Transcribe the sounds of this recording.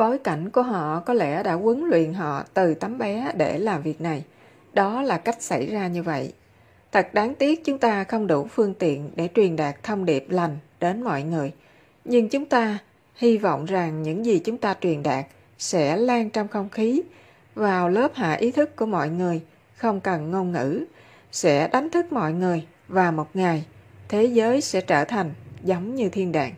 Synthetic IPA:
ɓo˨˦jka˧˩jŋ̟ku˧˩əɦɔ̰˧˨kɔ˨˦lɛ˧˩ɗa̰ː˧˥kwə˨˦nlwḭ˧˨ənɦɔ̰˧˨t̪ɨ˨˩t̪a˨˦mɓɛ˨˦ɗe˧˩laː˨˩mvi˨˩ək̚na˨˩j | ɗɔ˨˦laː˨˩ka˦˥jk̟̚sa˧˩jzaː˧ɲɨ˧və̰˧˨jʔ | t̪ʰə˨˩k̚ɗaː˨˦ŋt̪i˦˥ək̚t͡ɕʊ˨˦ŋ͡mt̪aː˧xə˧wŋ͡mɗu˧˩fɨ˧əŋt̪ḭ˧˨ənɗe˧˩t͡ɕwi˨˩ənɗaː˨˩k̚t̪ʰə˧wŋ͡mɗi˨˩əp̚la˨˩jŋ̟ɗe˨˦nmɔ̰˧˨jŋɨ˨˩əj | ɲɨ˧ŋt͡ɕʊ˨˦ŋ͡mt̪aː˧ | hi˧vɔ̰˧˨wŋ͡mza˨˩ŋɲɨ̰˧˥ŋzi˨˩t͡ɕʊ˨˦ŋ͡mt̪aː˧t͡ɕwi˨˩ənɗaː˨˩k̚ | sɛ̰˧˥laː˧ŋt͡ɕɔ˧wŋ͡mxə˧wŋ͡mxi˨˦ | vaː˨˩wləː˦˥p̚ha̰ː˧˨ʔi˨˦t̪ʰɨ˦˥kːu˧˩əmɔ̰˧˨jŋɨ˨˩əj | xə˧wŋ͡mkə˨˩nŋo˧nŋɨ̰˧˥ | sɛ̰˧˥ɗa˨˦jŋ̟t̪ʰɨ˦˥k̚mɔ̰˧˨jŋɨ˨˩əj | vaː˨˩mo˨˩t̚ŋa˨˩jt̪ʰe˨˦zəː˨˦jsɛ̰˧˥t͡ɕəː˧˩t̪ʰa˨˩jŋ̟zə˨˦wŋ͡mɲɨ˧t̪ʰi˧ənɗa̰ː˧˨ŋ

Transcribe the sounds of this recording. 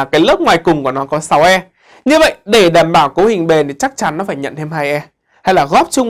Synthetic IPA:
kaː˨˦jlə˦˥p̚ŋwaː˨˩jkʊ˨˩ŋ͡mku˧˩ənɔ˨˦kɔ˨˦sa˨˦wʔɛ˧m | ɲɨ˧və̰˧˨jɗe˧˩ɗaː˧˩mɓaː˧˩wko˨˦hï˨˩ŋ̟ɓe˨˩nt̪ʰi˨˩t͡ɕa˦˥k̚t͡ɕa˨˦nːɔ˨˦faː˧˩jɲə̰˧˨nt̪ʰe˧mha˧jʔɛ˧ | ha˧jlaː˨˩ɣɔ˦˥p̚t͡ɕʊ˧ŋ͡m

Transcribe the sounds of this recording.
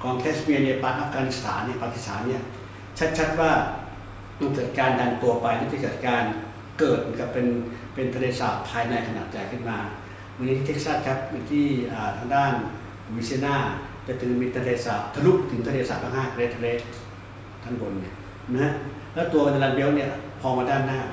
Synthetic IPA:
kɔː˧ŋk̪ʰeː˦˥smi˧ni˧˥ɐpaː˨˩t̪ʔa˧˩fɡaː˧ni˦˥st̪ʰa̰ː˩˦nː˧˩˨paː˧ki˨˧st̪ʰa̰ː˩˦nːi˥˩ɐ | t͡ɕʰa˦˥t̪̚t͡ɕʰa˦˥t̪̚waː˥˩ | ma˧˩ŋkɤː˨˩t̪̚kaː˧nda˧ŋt̪u˧ɐpa˧jniː˥˩t͡ɕa˧˩kɤː˨˩t̪̚kaː˧n | kɤː˨˩t̪̚ma˧˦nka˧˥˩ppe˧n | pe˧nt̪ʰa˧leː˧saː˨˩t̪̚pʰːaː˧jna˧jkʰa˧na̰ː˨˩t̪̚t͡ɕa˧jkʰɯ˥˩nmaː˧ | ma˧ŋi˦˥t̪ʰiː˥˩t̪ʰe˦˥k̚saː˥˩t̪̚kʰa˦˥p̪̚ja˨˩t̪ʰiː˥˩ʔaː˨˩t̪ʰaː˧ŋdaː˥˩n˧ | wi˦˥si˧˥˧naː˥˩ | t͡ɕa˨˩t̪ʰɯ˩˨˦ŋmiː˧t̪ʰa˧leː˧saː˨˩t̪̚t̪ʰːa˧lu˦˥k̚t̪ʰɯ˩˦t̪ʰa˧leː˧sa̰ː˨˩t̪̚ʰaː˧˩ŋhaː˥˩kle˦˥t̪ʰːa˧leː˦˥˩t̪̚ | t̪ʰːa˧˥ŋbo˧nːi˧˥˩ | na˧ha˦˥ʔ | lɛː˦˥˩wt̪u˧ɐka˧t̪a˧laː˧˩n̚bi˧˥˨ni˥˩ɐpʰɔː˧ŋmaː˧daː˥˩nːaː˥˩

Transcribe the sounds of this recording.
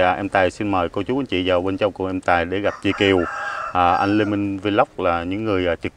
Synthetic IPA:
ʔɛ˧mt̪aː˨˩jsi˧nməː˨˩jko˧t͡ɕu˨˦ʔa˧nt͡ɕḭ˧˨zaː˨˩wɓe˧nt͡ɕa˧wŋ͡mkʊ˧˩ʔɛ˧mt̪aː˨˩jɗe˧˩ɣa˨˩p̚t͡ɕḭ˧˩ki˨˩əwʔəː˨˩ʔa˧jŋ̟le˧mi˧ŋve˧la˦˥wk͡p̚laː˨˩ɲɨ̰˧˥ŋːɨ˨˩əjʔaː˨˩t͡ɕɨ˨˩k̚

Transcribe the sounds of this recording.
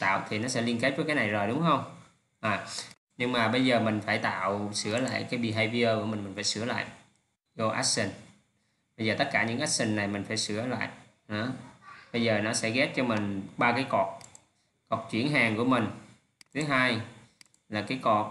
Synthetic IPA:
t̪a̰ː˧˨wt̪ʰi˨˩nɔ˨˦sɛ̰˧˥li˧ənke˦˥t̚t͡ɕɔ˨˦kaː˨˦jna˨˩jzo˨˩jɗʊ˨˦ŋ͡mxə˧wŋ͡m | ʔaː˨˩ | ɲɨ˧ŋmaː˨˩ɓə˧jzəː˨˩mï˨˩ŋ̟faː˧˩jt̪a̰ː˧˨wsɨ˧˩əla̰ː˧˨jkaː˨˦jɓi˧˩ɦaː˧jvi˧ʔəː˧ku˧˩əmi̟˨˩mï˨˩ŋ̟faː˧˩jsɨ˧˩əla̰ː˧˨jʔ | zo˧ʔa̰˦˥sï˧˩ŋ̟ | ɓə˧jzəː˨˩ə˦˥t̚kaː˧˩ɲɨ̰˧˥ŋʔa˦˥k̚sï˨˩ŋ̟na˨˩jmï˨˩ŋ̟faː˧˩jsɨ˧˩əla̰ː˧˨j | ɔ˨˦ɓə˧jzəː˨˩nɔ˨˦sɛ̰˧˥ɣɛ˦˥t̚t͡ɕɔ˧mï˨˩ŋ̟ɓaː˧kaː˨˦jkɔ˨˩k̚ | kɔ˨˩k̚t͡ɕwḭ˧˩ənɦaː˨˩ŋku˧˩əmï˨˩ŋ̟ | t̪ʰɨ˨˦ɦaː˧j | laː˨˩kaː˨˦jkɔ˨˩k̚

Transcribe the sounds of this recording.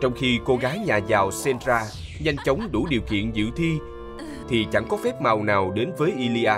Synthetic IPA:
t͡ɕɔ˧wŋ͡mxi˧ko˧ɣaː˨˦jɲaː˨˩zaː˨˩wsɛ˧ntzaː˧ | ɲa˧jŋ̟t͡ɕə˨˦wŋ͡mɗṵ˧˩ɗi˨˩əwkḭ˧˨ənzɨ̰˧˨t̪ʰi˧ | t̪ʰi˨˩t͡ɕa̰˧˩ŋkɔ˨˦fɛ˦˥p̚ma˨˩wnaː˨˩wɗe˨˦nvəː˨˦jʔi˧li˧ʔaː˧

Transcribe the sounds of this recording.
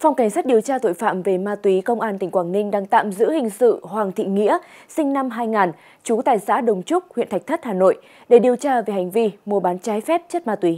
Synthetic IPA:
fa˧wŋ͡mka˧˩ŋsaː˦˥t̚ɗi˨˩əwt͡ɕaː˧t̪o̰˧˨jfa̰ː˧˨mve˨˩maː˧t̪wi˨˦kə˧wŋ͡mʔaː˧nt̪ï˨˩ŋ̟kwaː˧˩nŋï˧ŋ̟ɗaː˧ŋt̪a̰ː˧˨mzɨ̰˧˥hï˨˩ŋ̟sɨ̰˧˨hwaː˨˩ŋt̪ʰḭ˧˨ŋḭ˧˥əsï˧ŋ̟na˧mɦaː˧jŋaː˨˩n | t͡ɕu˨˦t̪a̰ː˧˨jsa̰ː˧˥ɗə˨˩wŋ͡mt͡ɕʊ˦˥k͡p̚hwḭ˧˨nt̪ʰa˨˩k̚t̪ʰə˦˥t̚haː˨˩no̰˧˨j | ɗe˧˩ɗi˨˩əwt͡ɕaː˧ve˨˩hŋ̟vi˧mu˨˩əɓaː˨˦nt͡ɕaː˨˦jfɛ˦˥p̚t͡ɕə˦˥t̚maː˧t̪wi˨˦

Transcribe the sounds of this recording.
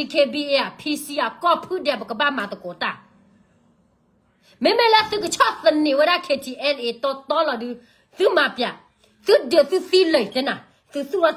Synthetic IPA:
i˧˨kʰeː˧bi˧ʔe˧a˨pʰiː˧si˧a˨kɔ˧˨pʰɯ˦˨dɛ˧˩˨pa˨kə˨ba˧˥˨maː˨t̪ɔ˨ko˨˦t̪a˧˨ | mɛ˦mɛ˦˨lɛ˦sɨ˦˨kə˧t͡ʃʰɔ˧˨ʔθə˧˨nːi˨wa˦da˦˧˨kʰe˧t̪ʰi˨ʔɛ˧˨nʔeː˧˨t̪ɔ˧t̪ɔː˦lɔ˧˨dɯ˧ | sɨ˦ma˧˨pja˨ʔ | sɨ˦dɯ˨ə˨sɨ˦si˧˦lə˨jt̪ɛ˧˦na˨ | sɨ˧˦su˦˧˨ɾɔ˧

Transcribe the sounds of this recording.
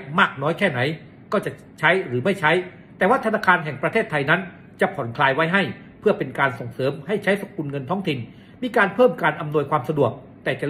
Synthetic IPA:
maː˥˩k̚nɔː˦˥jkʰɛː˥˩na˩˦j | kɔː˥˩t͡ɕa˨˩ | t͡ɕʰa˦˥jɾɯː˩˦ma˥˩jt͡ɕʰa˦˥j | t̪ɛː˨˩waː˥˩t̪ʰa˧naː˧kʰaː˧nɦɛ˨˩ŋpɾa˧eː˥˩t̪ʰːa˧jna˦˥n | t͡ɕa˨˩pʰɔ˩˦nkʰlaː˧jwa˦˥jɦa˥˩j | pʰɯ˥˩əpe˧nkaː˧nso˨˩ŋsɤː˩˦mha˥˩jt͡ɕʰa˦˥jso˨˧˦ŋku˧nŋɤ˧nt̪ʰɔː˦˥ŋt̪ʰi˨˧n | miː˧kaː˧npʰɤː˥˩mkaː˧nʔa˧mnu˧əjkʰwaː˧msa˧du˨˩ək̚ | t̪ɛː˨˩t͡ɕa˨˩

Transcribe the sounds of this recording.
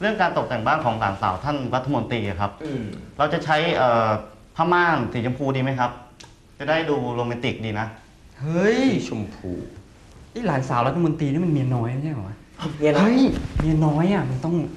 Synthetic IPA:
ɾɯ˥˩əŋkaː˧nt̪o˨˩k̚t̪ɛ˨˩ŋbaː˥˩nkʰɔː˩˦ŋla̰ː˩˦nsaː˩˦wt̪ʰa˥˩nɾa˦˥t̪ʰːa˧mo˧nt̪iː˧ʔa˨˩kʰa˦˥p̚ɾa˧wt͡ɕa˨˩t͡ɕʰa˦˥jʔɤː˨˩ | pʰaː˥˩maː˥˩nsiː˩˦t͡ɕo˧mpʰuː˧diː˧ma˦˥jkʰa˦˥p̚ | t͡ɕa˨˩daː˥˩jduː˧loː˧mɛ˧nt̪i˨˩k̚diː˧na˦˥ | hɤ˦˥˩jt͡ɕʰu˧mpʰṵː˧˩ | ʔə˦˥˩jlaː˩˦nsaː˩˦wɾa˦t̪ʰːa˧mo˧nt̪iː˧i˥˩ma˧nmi˧ənɔː˦˥ja˧˩ɲ˦˥˩kɔ˨˩˦wa˦˧˥ | mi˧hɯ˦˥˩jmi˧ənːɔː˦˥jʔa˨˩ma˧nt̪ɔ˥˩ŋ

